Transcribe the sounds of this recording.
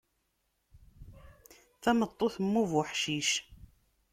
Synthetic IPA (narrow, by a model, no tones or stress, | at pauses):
θæmət̪ˤːoθəmːuvʊħʃiʃ